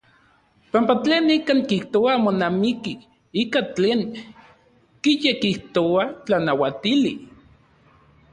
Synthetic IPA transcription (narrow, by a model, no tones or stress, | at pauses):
pampat͡ɬeːnːikaːŋkiht̪oamonamiki | ikat͡ɬeːŋ | kijekiht̪oat͡ɬanawat̪ili